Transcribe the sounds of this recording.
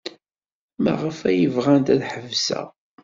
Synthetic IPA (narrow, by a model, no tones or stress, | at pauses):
mæ̰ʁəfæjəvʁænt̪æðħəvsæ̰